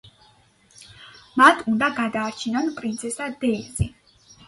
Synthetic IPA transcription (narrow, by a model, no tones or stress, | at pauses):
mat̪ʰund̪aɡad̪aːɾt͡ʃʰinɔnpʼɾint̪sʰɛsad̪ɛizi